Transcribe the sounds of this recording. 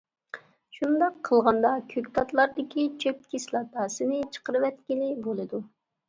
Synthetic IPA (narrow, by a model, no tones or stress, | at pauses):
ʃund̪ɑqʰːəlˠʁɑnd̪ɑkʲʰøkʲt̪ʰɑt̪lˠɑɾd̪ɪkʲit͡ʃʰøp̚kʲʰislˠɑt̪ɑːsɨnɪt͡ʃʰə̥qəɾɨwɛt̪kʲilɪbolˠɨd̪u